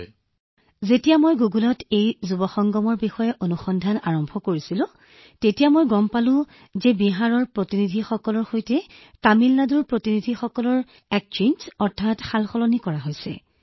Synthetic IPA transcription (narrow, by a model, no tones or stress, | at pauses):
zetijamojɡuɡulɔtejzubɔxɔŋɡɔmɔɹbixɔjɛʔonuxɔndʱana̰ɹɔmbʱɔkoɹisilʊ̃ | tetijamojɡɔmpalʊ̃ | zɛbiɦaɹɔɹpɹotinidʱixɔkɔlɔɹxojtɛ | tamilnaduɹpɹotinidʱixɔkɔlɔɹ | ɛk̚t͡ʃenzɔɹtʰatxalxɔlɔnikɔɹaɦojsɛ̰